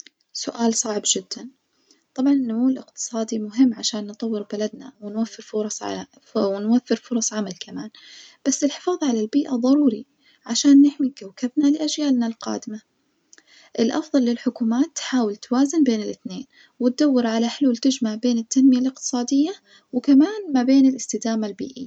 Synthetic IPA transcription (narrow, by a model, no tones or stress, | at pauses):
sʊʔaːlsˤɑʕbd͡ʒɪd̪ːan | t̪ˤɑbʕɑnɪnːʊmuːlʔɪqt̪ɨ̥sˤɑːd̪imʊɦɪmːʕaʃaːnːt̪ˤɑwːɪɾbalad̪na̰wɪnwafːɪɾfʊɾˤɑsˤ | wɪnwafːɪɾfʊɾˤɑsˤʕamalkamaːnb̥asːɪlħɪ̥fɑːðˤʕalalbiːʔaðˤɑɾuːɾi | ʕaʃaːnːɪħmikawkabnalɪʔad͡ʒjaːlnalqɑ̰ːd̪ɪma | ʔɪlʔɑ̰fðˤɑlːɪlħʊkuːmaːt̪ːħaːwɪlt̪awaːzɪnbeːnɪlʔɪθneːn | wɪt̪̚d̪awːɪɾʕalaħɪluːlt̪ɪd͡ʒmaʕbeːnɪt̪ːanmɪjalʔɪq̚t̪ɨ̥sˤɑːd̪ɪjːa | wɪkamaːnmabeːnɪlɪst̪ɪd̪aːmalbḭːʔɪ̰jːa